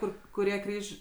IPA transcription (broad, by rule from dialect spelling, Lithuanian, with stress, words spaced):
ˈkʊr kʊˈrʲiɛ ˈkrʲiːʃʲ